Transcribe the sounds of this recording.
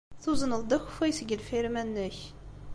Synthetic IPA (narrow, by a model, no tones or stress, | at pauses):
θuzənəld̪əxfujsəɡʲəlfiɾmænːəç